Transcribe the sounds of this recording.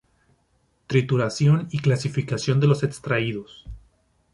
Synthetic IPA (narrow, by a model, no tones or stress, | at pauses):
t̪ɾit̪uɾasjo̞niklasifikasjo̞nd̪e̞lo̞sekst̪ɾaiðo̞s